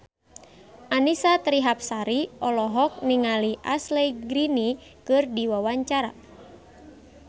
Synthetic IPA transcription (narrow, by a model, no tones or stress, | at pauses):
ʔanisat̪ɾiɦap̚saɾiɔlɔɦɔk̚niŋaliʔa̰slɛjɡɾinikɨrdiwawaɲt͡ʃaɾa